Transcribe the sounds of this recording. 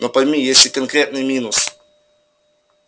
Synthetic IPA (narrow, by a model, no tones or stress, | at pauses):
nɔpɐjʲmʲijesʲɪkɐnkɾʲet̪nɨmʲinʊs